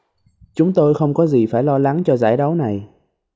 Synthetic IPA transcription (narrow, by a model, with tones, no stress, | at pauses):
t͡ɕʊ˨˦ŋ͡mt̪o˧jxə˧wŋ͡mkɔ˨˦zi˨˩faː˧˩jlɔ˧la˨˦ŋt͡ɕɔ˧za̰ː˧˩jɗə˨˦wna˨˩j